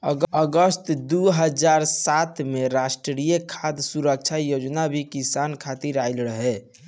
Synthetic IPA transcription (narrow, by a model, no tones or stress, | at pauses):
əəɡəst̪d̪uɦəd͡ʒaɾsat̪meɾasʈɾɾijəkʰad̪suɾək̚t͡ʃʰajod͡ʒnabʱikisankʰat̪iɾaɪlɾəɦɛ